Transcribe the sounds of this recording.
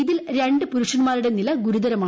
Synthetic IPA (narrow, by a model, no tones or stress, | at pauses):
iðilɾe̞ɳɖɨpuɾuʂɐnmaːɾiɽe̞nilɐɡuɾuðɐɾɐmaː